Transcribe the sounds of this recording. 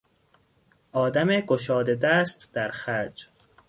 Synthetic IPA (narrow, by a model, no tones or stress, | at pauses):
ɒːd̪æmeɡoʃɒːd̪ed̪æst̪d̪̥æɾxæd͡ʒ